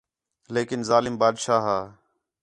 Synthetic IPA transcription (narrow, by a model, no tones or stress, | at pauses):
leːkɪnzaːlɪmbaːd̪ʃaːɦaː